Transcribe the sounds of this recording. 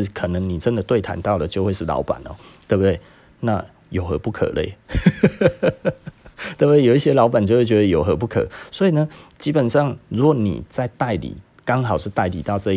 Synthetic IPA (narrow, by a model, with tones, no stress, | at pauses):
ɻ̩˥˩kʰə˨˩nə˧˦ŋni˨˩ʈ͡ʂə˦nd̪ə˨t̪we˥˩ɪt̪ʰa̰˧˦nt̪ɑ˥˩ʊd̪ə˨˩t͡ɕjo˥˧ʊxwe˥˧ɪʂɻ̩˥˩lɑ̰˧˥ʊpa̰˨˩nɔ̰˦t̪we˥˩bu˨d̪we˥˩ɪ | na˥˨ | jo˨˩ʊxɤ˧˥pu˥˩kʰə̰˨˩lḛ˥˩ɪ | t̪we˥˩b̪jʊi˥˩ɕjɛ˥lɑ˧˥ʊpa˨nt͡ɕjo˥˧ʊwe˥˧ɪt͡ɕɥɛ˧˥d̪ə˧jo˨ʊxə˧˥p̬u˥˩kʰɤ̰˨˩swɔ˧˥i˨˩nə˦t͡ɕi˥pə˨˩nʂɑ˥˩ŋɻu˧˥kwɔ˨˦nḭ˨˩t͡sa˥˧ɪt̪a˥˩ɪlḭ˨˦ | kɑ˥ŋɦɑ˨ʊʂɻ̩˥˧t̪a˥˩ɪlḭ˨˩t̪ɑ˥˧ʊʈ͡ʂɤ˥˧i˥